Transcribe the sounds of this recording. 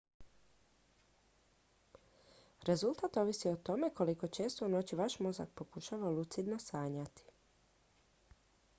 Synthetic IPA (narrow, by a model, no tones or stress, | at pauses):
ɾʔe̞zulˠt̪at̪o̞ʋisiot̪o̞me̞ko̞liko̞t͡ʃe̞ːst̪ouno̞t͡ɕiʋaʃmo̞za̰k̚po̞kuʃaʋalˠut̪sid̪nosaːɲat̪i̥